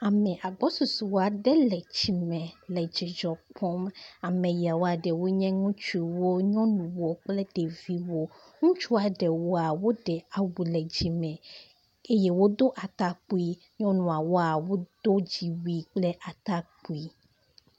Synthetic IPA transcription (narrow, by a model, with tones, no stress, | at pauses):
a˨mɛ̃˨ʔa˨ɡ͡bɔ˦stu˨swo˦a˨ɖɛ˦lɛ˨d͡ʑi˨mɛ̃˨lɛ˨d͡ʒi˨d͡ʒɔ˨k͡pʰɔ˦ma˨mɛ̃˨ja˨wo˦a˨ɖɛ˨wo˦ɲɛ̃˦ŋũ˦t͡ʃu˦i˨wo˦ɲɔ̃˦nũ˨wo˨k͡plɛ˦ɖe˨vi˦wo˦ | ŋũ˦t͡ʃu˦a˨ɖɛ˨wo˦a˨wo˦ɖɛ˨a˨wu˨lɛ˨d͡ʑi˨mɛ̃˨ | e˦je˦wo˦d̪o˦ʔa˨t̪a˦k͡pu˦i˦ | ɲɔ̃˦nũ˨a˨wo˦a˨wo˦d̪̥o˦d͡ʑi˨wi˦k͡plɛ˦ʔa˨t̪a˦k͡pu˨˦i˦